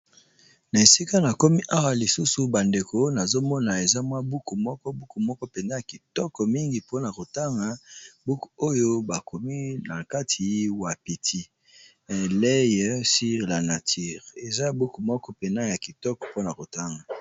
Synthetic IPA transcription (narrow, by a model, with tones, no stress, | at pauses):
na˨e˨si˦ka˦na˨ko˦mi˦ʔa˦wa˨li˨su˦su˨ba˨nde˨ko˦na˨zo˦mɔ˦na˨e˨za˦mwa˦bu˦ku˨mɔ˦kɔ˦bu˦ku˨mɔ˦kɔ˦pe˨na˦ja˨ki˨tɔ˦kɔ˨mi˦ŋɡi˨po˦na˨ko˨ta˦ŋɡa˨˦bu˦ku˨o˦jo˦ba˨ko˨mi˦na˨ka˦tʰi˨wa˨pi˨tʰi˦˨ | lɛ˦jɛ˦si˦ʁla˨na˨tʰi˦ʁe˨za˦a˨bu˦ku˨mɔ˦kɔ˦pe˨na˦ja˨ki˨tɔ˦kɔ̥˨po˦na˨ko˨ta˦ŋɡa˨